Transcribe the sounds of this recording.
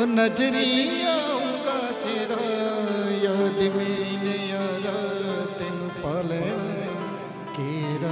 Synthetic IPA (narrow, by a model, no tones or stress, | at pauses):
nɐd͡ʒɾijaũnd̪aːt͡ʃeɾa | jaːd̪imeinejaɾat̪eːnũpaːlene | keɾa